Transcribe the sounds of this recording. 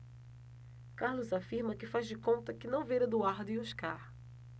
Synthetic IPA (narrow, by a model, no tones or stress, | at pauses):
kaɾlʊzafiɾmɐkɪfazd͡ʒɪkõnt̪ɐkɪnɐ̃w̃vejɾɐd̪uaɾd̪ʊɪoʃka̰ɾ